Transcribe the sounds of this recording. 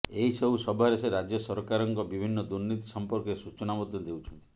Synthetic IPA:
eɦisɔbusɔbʱaɾeseɾad͡ʒjɔsɔɾkaɾɔŋkɔbibʱinːɔd̪uɾnit̪i̥sɔmpɔɾkesut͡ʃɔnamɔd̪jɔd̪ewt͡ʃʰɔnt̪i̥

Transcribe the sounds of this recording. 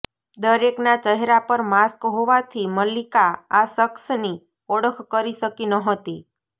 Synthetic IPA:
d̪əɾeknat͡ʃəɦeɾapəɾmaskɦoʋat̪ʰiməlikaasəksni | ɔɽəkʰkəɾiʃəkinəɦət̪i

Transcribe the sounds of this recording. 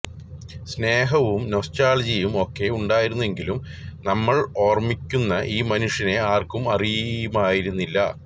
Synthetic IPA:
sne̞ːɦɐʋumnostaːld͡ʑijumo̞kːe̞uɳɖaːjiɾunːue̞ŋɡilumnɐmːɐɭo̞ːrmikʲːunːɐʔiːmɐnuʂjɐne̞aːrkumɐrijɐjumaːjiɾunːilːɐ̰

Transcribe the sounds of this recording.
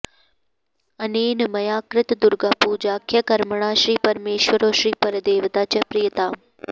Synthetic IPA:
əneːnmɐjaːkɾɪt̪d̪ʊɾɡaːpuːd͡ʒaːkʰjɐkɐɾməɳ̃aːʃɾiːpɐɾmeːʃʋəɾoːʃɾiːpɐɾd̪eːʋt̪aːt͡ʃɐpɾijət̪aː

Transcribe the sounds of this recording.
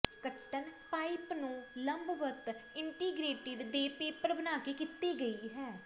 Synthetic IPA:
kəʈːənpaːipnũːləmbʋət̪ɪɳʈiːɡɾeːʈɪɖd̪eːpeːpəɾbənaːkeːkɪt̪iːɡəiːɦɛː

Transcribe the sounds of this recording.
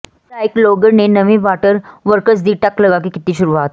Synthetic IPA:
ʈaːɪkloːɡəɾnenɐʋẽʋaːʈəɾʋəɾkəsd̪iːʈɐklɐɡakikɪt̪nĩʃʊɾuaːt̪

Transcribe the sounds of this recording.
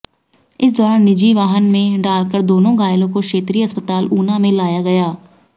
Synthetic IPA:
ɪs̬d̪ɔːɾaːnːɪd͡ʒiːʋaːɦənmẽɖaːlkəɾd̪oːnõːɡaːjlõkokʃeːt̪ɾiːəspət̪aːluːnãmẽlaːjaɡɐjaː

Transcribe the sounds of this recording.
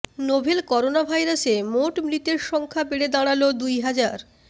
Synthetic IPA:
nobʱelkɔɾonabʱajɾasemoʈmɾit̪eɾʃɔŋkʰabeɽed̪aɽ̃alod̪ujɦad͡ʑaɾ

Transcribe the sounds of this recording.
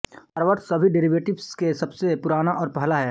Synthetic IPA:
hɐɾʋəʈ̪sɐbʱiɖɪɾiʋeːʈɪʋskesɐbsepʊɾaːnaʔɔːɾpɛɦlaɦɛː

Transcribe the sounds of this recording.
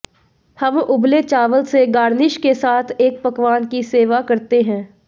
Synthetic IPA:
hɐmʊblet͡ʃaːʋəlseɡaːɾnɪʃkesaːt̪ʰeːk̚pɐkʋaːnkiseːʋakɐɾt̪eɦɛ̃ː

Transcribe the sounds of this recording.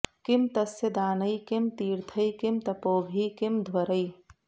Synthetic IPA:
kimt̪ɐsjɐd̪aːnɐjkimt̪iːɾt̪ʰɐjkimt̪ɐpoːbʱiːkimd̪ʱwɐɾəj

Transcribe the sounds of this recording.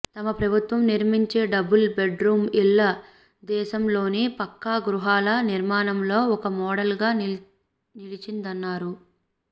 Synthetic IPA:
t̪ɐmɐpɾɐbʱut̪ʋɐmniɾmiɲt͡ʃe̞ːɖɐbulbe̞ɖɾuːmilːɐ | d̪ɛːʃɐmlo̞ːnipɐkːaːɡɾuɦaːlɐniɾmaːnɐmlo̞ːɔkɐmɔːɽɐlɡaː | nilit͡ʃind̪ɐnːaːɾu

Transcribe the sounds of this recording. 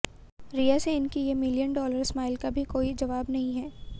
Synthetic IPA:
ɾijaseɪnkijemɪlijənɖɔːləɾsmaːɪlkabʱikoːid͡ʒɐʋaːbnɐɦĩɦɛː

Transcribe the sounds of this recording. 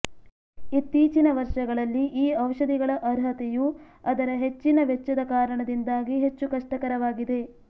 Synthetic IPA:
it̪ːiːt͡ʃinɐʋɐɾʂɐɡɐɭɐlːiʔiːɐʋʂɐd̪iɡɐɭɐʔɐɾɦɐt̪eju | ɐd̪ɐɾɐɦe̞t͡ʃːinɐʋet͡ʃːɐd̪ɐkaːɾɐɳɐd̪ind̪aːɡiɦe̞t͡ʃːukɐʂʈɐkɐɾɐʋaːɡid̪e̞

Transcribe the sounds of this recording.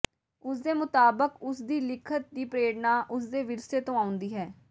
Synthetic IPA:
ʊsd̪eːmʊt̪aːbəkʊsd̪iːlɪkʰət̪̚d̪iːpɾeːɽnaːʔʊsd̪eːʋɪɾseːt̪õːaːʊ̃nd̪iːɦɛː

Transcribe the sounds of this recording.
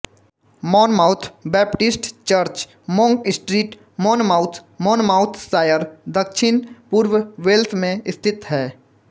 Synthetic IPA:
mɔːnmaːʊt̪ʰbɛːpʈɪsʈt͡ʃəɾt͡ʃ | mɔ̃ŋkɪsʈɾiːʈ | mɔːnmaːʊt̪ʰmɔːnmaːʊt̪ʰsaːjəɾd̪əkʃʰɪnpuːɾwʋeːlt̪ʰmẽɪst̪ʰɪt̪ɦɛː

